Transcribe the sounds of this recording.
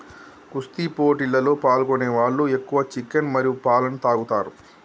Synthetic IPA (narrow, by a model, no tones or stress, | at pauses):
kust̪ipo̞ːʈilːɐlo̞ːpaːlkoneːʋaːɭːue̞kːuʋɐt͡ʃikːɐnmɐɾijupaːlɐnt̪aːɡut̪aːɾu